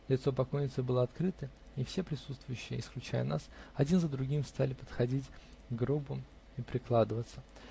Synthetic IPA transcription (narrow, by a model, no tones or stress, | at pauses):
lʲɪt̪so̞pɐkojnʲɪt̪səbɨlˠəɐt̪kɾɨt̪ə | ifsʲepɾʲɪsut̪st̪vʊjʉɕːɪjəɪsklʲʉt͡ɕæ̰jə̰nasɐdʲinzəd̪ɾʊɡʲimst̪alʲɪpə̥t̪xɐdʲitʲɡɾobʊ | ipɾʲɪklˠad̪əvət̪sə